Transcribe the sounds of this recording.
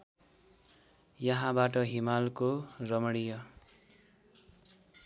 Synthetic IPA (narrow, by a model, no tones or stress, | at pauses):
jʌɦãbaʈʌɦimalkorʌmʌɽijʌ